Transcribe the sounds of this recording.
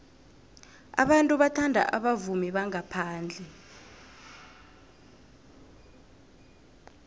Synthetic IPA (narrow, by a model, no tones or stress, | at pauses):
a̰ɓantʼuɓatʰandʱa̰ʔaɓavumiɓaŋapʰaːnd͡ɮʱɛ